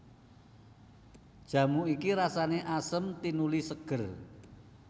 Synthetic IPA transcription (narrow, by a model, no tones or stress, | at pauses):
d̥ʒ̥ä̤muikiɾasaneʔasəmt̪inulisəɡ̥ə̤r